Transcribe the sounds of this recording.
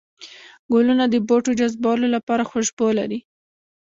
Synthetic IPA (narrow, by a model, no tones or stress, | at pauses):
ɡolunad̪əboʈod͡ʒazbɑlolapɑɾaxoʒbola̰ɾi